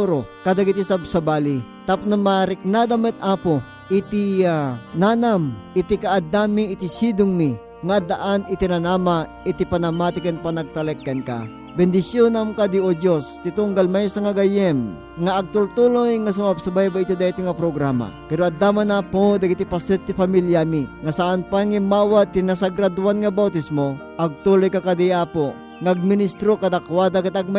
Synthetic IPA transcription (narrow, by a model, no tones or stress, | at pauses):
uɾokad̪aɡit̪isabsabaːlit̪apʊnamaɾɪk̚nad̪amɛt̪̚aːpo | ʔɪt̪ianaːnamɪt̪ikaʔːd̪amiːt̪isid̪ʊŋmi | ŋad̪aʔanɪt̪inanaːma | ɪt̪ipanamat̪ɪkɛnpanɐɡ̚t̪ɐlɛkːɐnka̰ | bɛnd̪ɪsjonamkad̪iod͡ʒost̪it̪ʊŋɡalmajsaŋaɡajɛm | ŋaːɡ̚t̪ult̪ulojŋas̬ʊmab̚sabajbait̪id̪ait̪iŋapɾoɡɾama̰pɛɾoɐd̪amanapod̪aɡit̪ipasɛt̪ːɪpamiljamiŋasaʔanpaŋimaːwat̪ːinas̬aɡɾad̪uanŋabawt̪ismoʔɐɡ̚t̪ulojkakad̪iaːpo | ŋaɡ̚mɪnist̪ɾokad̪akwad̪akɪt̪aɡ̚ma